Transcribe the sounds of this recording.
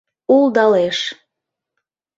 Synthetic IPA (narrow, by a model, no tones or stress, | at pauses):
uld̪ɑleʃ